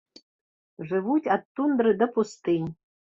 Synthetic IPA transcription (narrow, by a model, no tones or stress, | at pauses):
ʐɨvutʲat̪ːund̪rɨd̪ɐpʰust̪ɨjʲ